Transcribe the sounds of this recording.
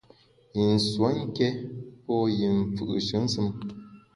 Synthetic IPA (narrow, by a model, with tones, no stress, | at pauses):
ji˨n̩˨swo˨˦ŋ̩˦kɛ˦pɔ˦ji˨ɱ̩˨fɯ̰˨ʔʃɨ˨˦n̩˦sɨ˦m